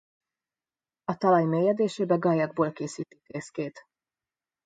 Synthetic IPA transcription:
ɒt̪ɒlɒjmeːjɛd̪eːʃeːbɛɡɒjɒɡ̚boːlkeːsiːt̪i̥kreːskeːt̪

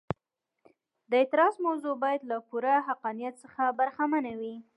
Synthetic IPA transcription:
d̪əɪt̪ɪɾɑzmawzubɑjad̪lapuɾaɦaqɑnijat̪səxabaɾxamanawi

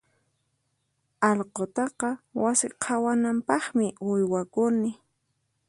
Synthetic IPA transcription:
ɑlqot̪ɑqɑwasɪqʰawanampɑχmɪʊjwakʊnɪ

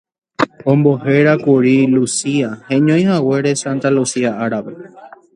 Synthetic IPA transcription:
õmbo̞he̞ɾakuɾilusiahẽɲõj̃hawe̞ɾe̞sãnt̪alusiaʔaɾaʋe

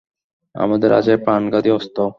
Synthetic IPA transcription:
a̰mad̪eɾa̰d͡ʑepɾanɡat̪iɔst̪o

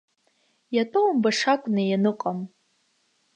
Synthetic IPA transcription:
jatʼowmbaʂakʷʼnɨjanɨqʼam

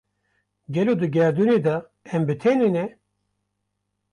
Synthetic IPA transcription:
ɡʲɛloːd̪ɨɡʲɛɾd̪uned̪ɑ | ɛmbɨt̪ʰɛnɨnɛ

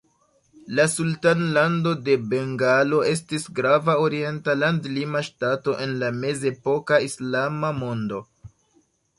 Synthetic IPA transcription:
lasultanlando̞de̞be̞ŋɡalo̞e̞s̬tisɡɾavao̞ɾie̞ntalandlimaʃtato̞ʔe̞nlame̞ze̞po̞kaislamamo̞ndo̞

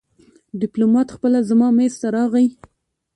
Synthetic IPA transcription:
ɖɪplomɑt̪xpəlazamɑmest̪aɾɑɣaj

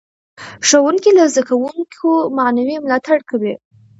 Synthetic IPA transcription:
ʂawuŋkilazd̪akawuŋkʰomanawimlɑt̪aɽkawi

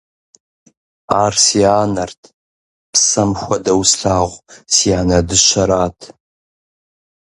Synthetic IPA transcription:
aːrsiaːnɐrtʰ | pʰsɐmxʷɐdɐwsɬaːʁʷsiaːnɐdɨʃɐɾaːtʰ

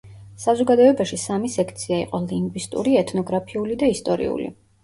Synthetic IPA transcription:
sazɔɡad̪ɔɛbaʃisamisɛkʰt̪sʰiaḭqʼɔliŋɡwist̪ʼṵɾiɛt̪ʰnɔɡɾapʰiulid̪aist̪ʼɔɾḭṵlḭ

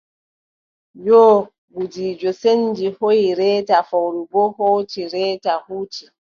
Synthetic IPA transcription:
jɔː | ɡud͡ʒiːd͡ʒɔsend͡ʒihojiɾɛːtafowɾubɔhoːtiɾɛːtahuːti

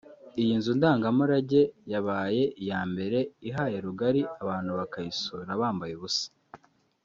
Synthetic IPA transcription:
ijinzundaːŋɡamuɾaɟe̞jaβaːje̞ʔijaːmbe̞ɾe̞iɦaːje̞ɾuɡaɾiaβaːn̥huβakaisuːɾaβaːmbajeβusḁ

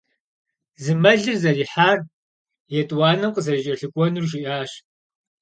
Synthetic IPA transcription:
zɨmɐɮɨrzɐriːħaːr | jɛtʼwɑːnɐmqəzɐt͡ʃʼɐɬɨkʷʼɔnurʒɪʔaːɕ

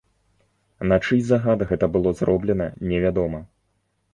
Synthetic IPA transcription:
nɐt͡ʂɨjʲzaɣad̪ɨɣɛt̪ɐbɨlˠɔzrɔblʲɛnɐnʲɛvʲad̪ɔmɐ

